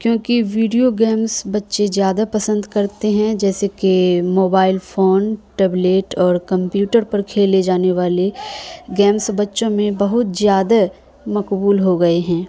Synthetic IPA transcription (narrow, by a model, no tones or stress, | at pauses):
kjõːkiʋiːɖijoɡɛːmsbɐtːʃezjaːd̪apɐsə̃nd̪kɐɾt̪eɦɛ̃d͡ʒɛːsekemoːbaːɪlfoːnʈɛːbleːʈɔːɾkɐ̃mpjuːʈəɾpɐɾkʰeːled͡ʒaːneʋaːleɡɛːmsbɐtːʃõmẽbɐɦʊt̪zjaːd̪a | mɐkbuːlɦoɡɐeɦɛ̃ː